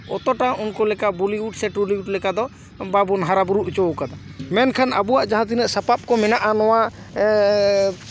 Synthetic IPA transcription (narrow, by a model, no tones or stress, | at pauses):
ɔt̪ɔʈaunkɔlɛkaʔbuliwuʈsɛʈɾuliwuʈlɛkad̪ɔ | babunɦaɾabuɾuʔt͡ʃɔkad̪a | mɛnkʰana̰buwaʔd͡ʒaɦãt̪̬inɛʔsapap̚kɔmɛnaʔanɔwa